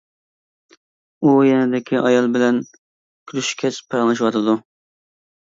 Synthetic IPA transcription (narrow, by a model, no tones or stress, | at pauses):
ujɛnɪd̪ɪkʲʰiʔɑjɑlˠbɪlɛn | kʲʰylyʃkʲʰɛt͡ʃpʰɛʁlˠɨʃwɑt̪ʰɨd̪u